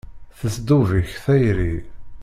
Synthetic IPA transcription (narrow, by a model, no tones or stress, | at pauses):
θəsd̪uviçθæjɾi